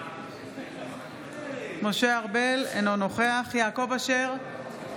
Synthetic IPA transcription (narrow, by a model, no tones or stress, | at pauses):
mo̞ʃe̞aʁbe̞lenono̞χeaχjaːko̞vaʃeʁ